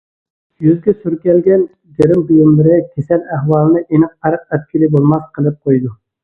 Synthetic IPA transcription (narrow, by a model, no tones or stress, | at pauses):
jyzɡʲɛsyɾkʲɛlɡʲɛn | d͡ʒeɾɪmbyjɪmlɪɾɪkʲʰesɛlæhwɑːlˠɨnɨʔenɨqæɾəq̚ɛt̪̚kʲʰilibolˠmɑsqʰəlˠɨp̚qʰojd̪u